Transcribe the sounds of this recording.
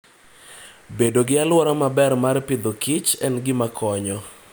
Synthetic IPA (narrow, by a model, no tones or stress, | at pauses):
bedoɡɪalwɔɾamabɛrmarpɪd̪okit͡ʃɛnɡɪmakʰɔɲɔ